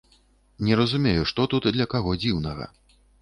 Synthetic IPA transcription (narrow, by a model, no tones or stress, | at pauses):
nʲɛɾɐzumʲejuʂt̪ɔt̪ut̪d̪lʲɐkaɣɔd͡zʲiwnɐɣɐ̰